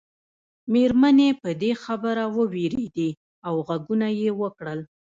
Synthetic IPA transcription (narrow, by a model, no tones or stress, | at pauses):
meɾmanepəd̪exabəɾawəweɾed̪e | awɣaɡunajewəkɽəl